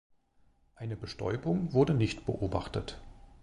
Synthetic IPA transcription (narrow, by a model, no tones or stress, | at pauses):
ʔaɪnəbəʃtʰɔ̰ʏbʊŋvʊɐdənɪçtb̥ə̰ʔoːba̰χtət